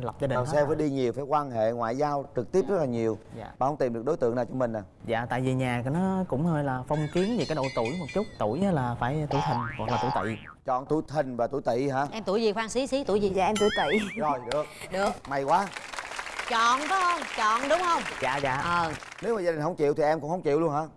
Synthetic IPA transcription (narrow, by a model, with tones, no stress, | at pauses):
la˨˩wp̚zaː˧ɗi˨˩sɛ˧vəː˨˦ɗi˧ɲi˨˩əwfaː˧˩jkwaː˧nɦḛ˧˨ŋwa̰ː˧˨jzaː˧wt͡ɕɨ˨˩k̪̚i˦˥əp̚zt̚laː˨ɲi˨˩əwaː˨˩hə˧˦wŋ͡mt̪i˨˩mɗɨ˨˩ək̚ɗjt̪ɨ̰˧˨əŋnaː˨˩wt͡ɕɔ˧ŋ͡mmï˨˩ŋ̟ʔaː˨˩za̰ː˧˨t̪a̰ː˧˨jvi˨˩ɲaː˨˩˨nɔ˨˦kʊ̰˧˥ŋ͡mhəː˧jlaː˨˩fə˧wŋ͡mki˨˦ənvi˨˩kaː˨˦jɗo̰˧˨t̪u˧˩jmo˨˩t̚t͡ɕu˦˥t̚t̪u˧˩jaː˨˦laː˨˩faː˧˩jt̪ṵ˧˩˦jt̪ʰï˨˩ŋ̟hwk̚laː˨˩u˧˩˦jt̪ḭ˧˨ | t͡ɕɔ̰˧˨nt̪ṵ˧˩˦jt̪ʰï˨˩ŋ̟vaː˨˩t̪ṵ˧˩˦jt̪ḭ˧˨ɦa̰ː˧˥ʔɛ˧mt̪u˧˩jzi˨˩xwaː˧ŋsi˨˦si˨˦t̪ṵ˧˩˦jzi˨˩zaː˨˩ʔɛ˧mt̪u˧˩˦jt̪ḭ˧˨zɔ˨˩jɗɨ˨˩ək̚ɗɨ˨˩ək̚ma˨˩jkwaː˨˦ | t͡ɕɔ̰˧˨nkɔ˨˦hə˧wŋ͡mt͡ɕɔ̰˧˨nɗʊ˨˦ŋ͡mhə˧wŋ͡mza̰ː˧˨za̰ː˧˨ʔə˨˩ | ne˨˦wmaː˨˩zaː˧ɗi˨˩ŋ̟ɦə˧wŋ͡mt͡ɕḭ˧˨əwt̪ʰi˨˩ʔɛ˧mkʊ̰˧ŋ͡mhə˧wŋ͡mt͡ɕḭ˧˨wlu˧ə˧nhaː˧˥